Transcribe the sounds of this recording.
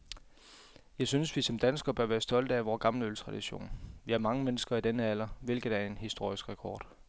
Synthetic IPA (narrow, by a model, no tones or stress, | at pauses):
jɑ̈ɪsynəsʋisɒ̽md̥ænsɡ̥ɐb̥ɶɐʋæːɐsd̥ɒ̽l̰d̥əæʋɒːɡ̥ɑ̈mləølt͡sʰʁɑ̈d̥iɕo̝̰ːnʋiæɐmɑ̈ŋəmenəsɡ̥ɐid̥enəæl̰ɐʋe̝lɡ̥ðˠæɐe̝nhisd̥o̝ɐ̰isɡ̥ʁɛkʰɒ̰ːd̥